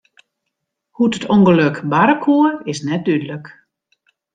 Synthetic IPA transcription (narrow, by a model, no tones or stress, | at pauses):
hutətʰoŋɡəløkbaɾəkʰuəɪsnɛt̚d̥ydələk